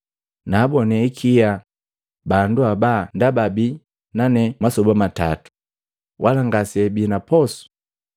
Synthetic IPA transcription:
naːbɔnɛikʰija | banduabandababi | nanɛmasɔbamata̰tu̥ | wʔalaŋɡasɛbinapɔsu̥

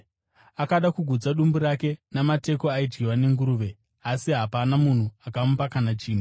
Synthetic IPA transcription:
akaɗakuɡʱud͡zaɗumbuɾake̞namate̞ko̞aid͡ʒɡiwane̞ŋɡuɾuːʋe̞ | asiɦapanamun̤uakamupakanat͡ʃiːm̤i

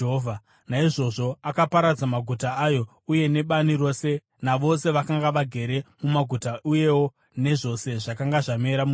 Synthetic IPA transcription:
ɦovʱa | naiʐo̞ʐo̞akapaɾad͡zamaɡʱutaːjo̞ | uje̞ne̞ɓaniɾo̞ːse̞ | naʋo̞se̞ʋakaŋɡaʋaɡʱe̞ɾe̞mumaɡʱutauje̞wo̞ | ne̞ʐo̞se̞ʐakaŋɡaʐame̞ɾamu

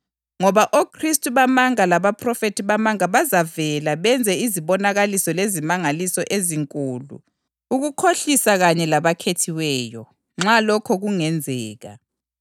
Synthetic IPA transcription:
ŋɔβaʔokʰristʼuβamaŋalaβapʰʼrɔfetʰiβamaŋaβazavɛlaβɛnd͡zʱɛiziβɔnaɣalisɔlezimaŋalisɔʔeziŋkʼuːlṵ | uɣukʰoɬisaɣaɲɛlaβakʰetʰiwɛːjɔ̰ | ŋ͡ǁalɔkʰɔɣuŋɛnd͡zʱɛːɣa̰

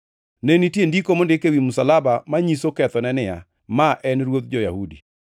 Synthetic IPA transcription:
nenitjendikomondɪkewimusalabamaɲisokɛt̪ɔnɛnɪa̰ | maʔɛnɾwot̪̚d͡ʒɔja̰hudi

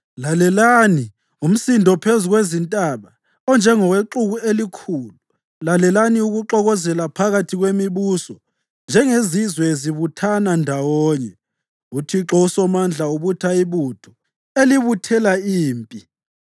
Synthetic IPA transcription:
lalɛlani | um̩sindʱɔpʰezuɣwezintʼaβa | ɔnd͡ʒʱɛŋɔweǁuɣuelikʰuːlu | lalɛlaniuɣuǁɔɣɔzɛlapʰaɣatʰiɣwemiβusɔ | nd͡ʒʱɛŋezizwɛeziβutʰanandʱawɔːɲɛ | utʰiǁɔusɔmand͡ɮʱauβutʰaiβutʰɔ | eliβutʰɛlaiːmpʼi

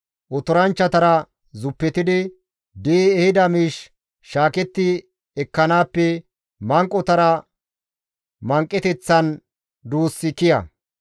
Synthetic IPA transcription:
ʔɔt̪ɔɾɐnt͡ʃːɐt̪ɐɾɐ | zʊpːɛt̪ɪd̪ɪ | d̪iɛhɪd̪ɐmiːʃː | aːkɛt̪ːɪ | ɛkːɐnaːpːɛ | mɐŋkʼːɔt̪ɐɾɐ | mɐŋkʼːɛt̪ɛt͡sːɐn | d̪uːsːɪkɪjɐ̰

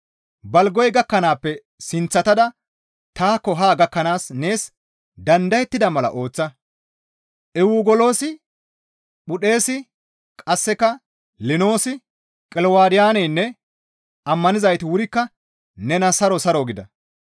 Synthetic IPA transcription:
bɐlɡɔjɡɐkːɐnaːpːɛ | sɪnt͡sːɐt̪ɐd̪ɐ | t̪aːkːɔɦaːɡɐkːɐnaːsne̞ːs | d̪ɐnd̪ɐjɛt̪ːɪd̪ɐmɐlɐ̰ʔo̞ːt͡sːɐ | ʔɛwuɡɔlo̞ːsɪ | ɓʊɗe̞ːsɪ | kʼɐsːɛkɐ | lɪno̞ːsɪ | kʼɛlwaːd̪ɪjaːnɛjnːɛ | ɐmːɐnɪzɐjt̪ɪwʊɾɪkːɐ | nɛnɐsɐɾɔsɐɾoɡɪd̪ɐ

